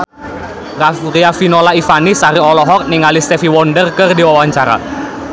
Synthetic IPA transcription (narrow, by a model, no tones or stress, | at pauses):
rariafinolaifanisaɾiɔlɔɦɔk̚niŋalist̪ɛfiwɔndərkərdiwawaɲt͡ʃaɾa̰